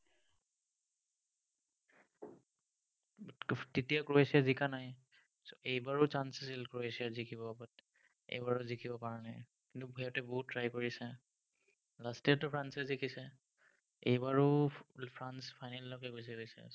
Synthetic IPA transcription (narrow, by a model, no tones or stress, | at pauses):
titijakɹoesiazikanaj | sejbaɹʊt͡ʃansisilkɹoesijazikʰibɔabɔt | ḛjbaɹʊzikʰibɔpaɹanaj | kintuɦɛjɔtɛboɦut̚ːɹajkoɹisɛ | lastiatʊpʰɹansɛzikʰisɛ | ḛjbaɹʊpʰɹanspʰajnallɔkɛɡos̬iɡojsɛ̰